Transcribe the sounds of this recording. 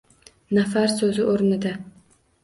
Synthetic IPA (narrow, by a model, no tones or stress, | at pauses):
nafaɾsɵzɪʔoɾnɪd̪a